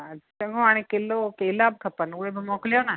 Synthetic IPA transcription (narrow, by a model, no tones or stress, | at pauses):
t͡ʃəŋɡõaɽ̃ekelokeːlab̚kʰɐpənuɽebʱɐmokljona